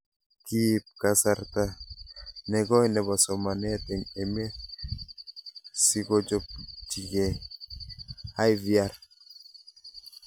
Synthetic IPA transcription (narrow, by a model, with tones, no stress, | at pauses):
ki˦p̚ka˨saɾt̪a | nɛ˨ɡɔ˦jnɛ˨bɔ˨sɔ˨ma˨nɛ˦t̪ɛ˨ŋɛme˦ | si˦ɡɔ˦d͡ʒɔ˦p̚d͡ʒi˨ɡe˨ | a˦jvia˦ɾ